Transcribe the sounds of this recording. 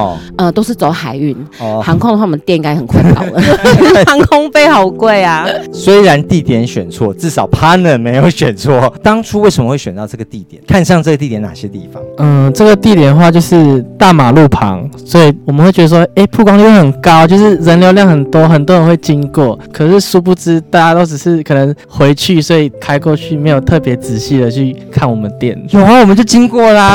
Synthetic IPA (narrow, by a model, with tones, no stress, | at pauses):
ə˧t̪o˥ʊʂɻ̩˥˩t͡so˧˥˦ʊxa˨˩ɪy˥˩n˩hɑ˧˦ŋkʰʊ˥ŋdə˧wa˥˨mə˧˦t̪jnĩ˥ŋɡa˥ɪxə˨˩nkʰwa˥˧klə˩˨xɑ˧˦ŋkʰʊ˥ŋpe˥˧ɪxɑ˨˩ʊkwe˥˩ɪa˩swe˥ɪɻa˧˦nt̪i˥˨t̪jɛ˧˥nɕɥɛ˨˩nt͡sʰwɔ̰˥˨t͡sɻ̩˥˩sɑ˨˩ʊpʰa˥nə˨˩me˧˥ɪjo˧˥ʊɕɥɛ˨˩nt͡sʰwɔ˥˩t̪ɑ˥ŋʈ͡ʂʰu˥we˥˩sə˨˦mə˧xwe˥˩ɪɕɥɛ˨˩nt̪ɑ˥˧ʊʈ͡ʂɤ˥˩ɡə˩t̪i˥˩t̪jɛ̰˨˩˦nkʰa˥˧nɕjɑ˥˧ŋʈ͡ʂə˥˩ɡə˩t̪i˥˩t̪jɛ˨˥na̰˨˩ɕjɛ˦t̪i˥˩fɑ̰˨˦ə˧ʈ͡ʂə˥˩ɡə˩t̪i˥˩t̪jɛ˨˩nə˩xwa˥˧t͡ɕjo˥˧ʊʂɻ̩˥˧t̪a˥˩ma˨˩lu˥˩pʰɑ̰˧˦ŋswɔ˧˥i˨˩wɔ˨mə˦nxwe˥˩ɪt͡ɕɥɛ˧ə˧˩wɔ˥e˥˩ɪpʰu˥˩kwɑ˥ŋli˥˧˥xə˨˩nkɑ˦˥ʊt͡ɕjo˥˧ʊʂɻ̩˥˩ɻə˧˥nljo˧ʊljɑ˥˩ŋxə˨˩nt̪wɔ˥xə˨˩nt̪̬wɔ˦˥ɻə˧˥nwe˥˩ɪt͡ɕi˦ŋkwɔ˥˩kʰɤ˨˩ʂɻ̩˥˩su˥p̬u˥˩t͡sɻ̩˥t̪a˥˧˩t͡ɕja˥t̪o˥ʊʈ͡ʂ̩˨˩ʂɻ̩˥˩kʰɤ˨˩nə˧˦ŋ | xwe˧˥ɪt͡ɕʰy˥˩swɔ˧˥i˨˩t̪ʰa˥ɪkɔ˥˧t͡ɕʰy˥˩me˧˥ɪjo˨˩ʊt̪ʰɤ˥˩pjɛ˧˥t͡sɹ̩˨˩ɕi˥˩d̪ə˨t͡ɕʰy˥˧kʰa˥˩nwɔ˨˩mə˨nt̪jɛ˥˩njo˨˩xa˥wɔ˨˩ə˦nt͡ɕjo˥˩ʊt͡ɕi˥nkwɔ˥˩la˨